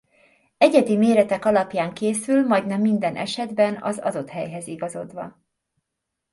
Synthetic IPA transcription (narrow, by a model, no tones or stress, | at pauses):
ɛɟɛd̪imeːɾɛt̪ɛkɒlɒpjaːŋkeːsylmɒjɟnɛmːind̪ɛnʔɛ̰ʃɛd̪bɛnɒ̰zɒ̰d̪o̞t̪hɛjɦɛziɡɒzo̞d̪ʋɒ